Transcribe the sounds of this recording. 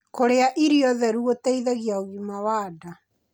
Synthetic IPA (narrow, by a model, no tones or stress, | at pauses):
koɾeaʔiɾiɔðɛɾuotɛiðɛɣjaoɣimawaːda